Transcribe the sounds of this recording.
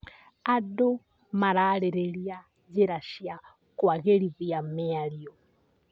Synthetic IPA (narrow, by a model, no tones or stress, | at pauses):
adɔ | maɾalɛɾeɺia | d͡zɛɾaʃia | kwaɣeɺivijamɛalijɔ